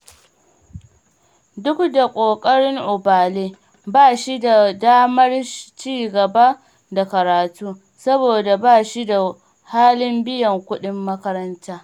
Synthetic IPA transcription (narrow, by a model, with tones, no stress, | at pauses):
dʊ˦kda˨kʷʼoː˨kʼɐ˦ɽɪ˦ŋʔʊ˨baː˨leː˦ | baː˦˨ʃi˦da˨daː˦mɐ˦rt͡ʃiː˦˨ɡɐ˨ba˦ | da˨kɐ˨ɾaː˨tuː˦ | sɐ˦boː˨da˨baː˦˨ʃi˦da˨ | haː˦lɪ˦mbɪ˦jɐ˨ŋkʷʊ˦ɗɪ˦mːɐ˦kɐ˦ɾɐ˦ntaː˦